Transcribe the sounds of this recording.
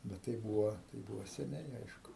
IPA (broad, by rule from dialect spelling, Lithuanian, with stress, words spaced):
bʲɛt ˈtɐɪ ˈbuːʋoː tɐɪ ˈbuːʋoː sʲɛˈnʲɛɪ ˈɐɪʃkʊ